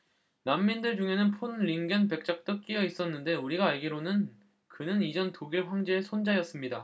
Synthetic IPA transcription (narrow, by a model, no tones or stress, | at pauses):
namːindɯɭd͡ʑuŋɦe̞nɯnpʰonɾiŋɡɯnpe̞k̚t͡ɕ͈ak̚t͈ɯk͈ijʌis͈ʌnːɯnde̞uɾiɡaːɭɡiɾonɯn | kɯnɯnid͡ʑʌntoɡiɭɸwaŋd͡ʑe̞ːsʰond͡ʑajʌs͈ɯmɲida